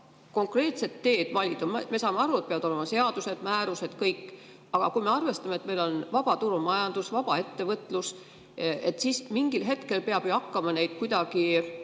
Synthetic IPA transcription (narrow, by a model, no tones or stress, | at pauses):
ko̞ŋkre̞ːt̪se̞t̪ːe̞ːd̪̥vɑlʲid̪ɑmme̞sɑːmeɑɾuet̪̚peɑvɑd̪olemɑse̞ɑd̪use̞d̪̥mæːɾuse̞d̪̥kɤjkːˑ | ɑɡ̥ɑkujme̞ɑrve̞st̪ɑmet̪me̞jlo̞nvɑb̥ɑt̪uɾumɑjɑnd̪̥usvɑb̥ɑe̞t̪ːe̞vɤt̪ːˑlus | e̞t̪ːsiːsmiŋɡ̥ilɦe̞t̪ke̞lpe̞ɑb̥joɑkːɑmɑne̞jd̪̥kujd̪ɑɡ̥i